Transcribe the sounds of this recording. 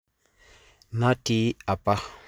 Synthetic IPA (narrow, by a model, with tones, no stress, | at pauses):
na˦ti˦a˨pa˦